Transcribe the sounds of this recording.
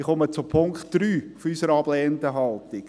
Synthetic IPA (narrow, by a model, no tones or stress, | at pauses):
ɪχɔmət͡sʊpʰʊŋktd̥ɾyːfysəɾɑblɛːənd̪əɦɑlt̪ɪk